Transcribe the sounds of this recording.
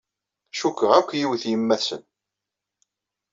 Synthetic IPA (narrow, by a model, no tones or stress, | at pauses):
ʃukːəʁækʷːjiwθjimːæθsə̰n